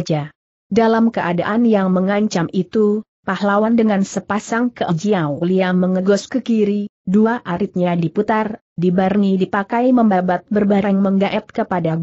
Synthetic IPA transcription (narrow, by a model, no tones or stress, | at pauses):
d͡ʒa | dalamkəʔada̰ʔanjaŋməŋaɲt͡ʃamit̪u | pahlawandəŋansəpasaŋkəʔəd͡ʒiawliaməŋəɡɔskəkiɾi | duaʔaɾɪt̪̚ɲadiput̪ar | dibarnidipakajməmbabat̪̚bərbaɾŋməŋɡaʔɛt̪̚kəpadaɡ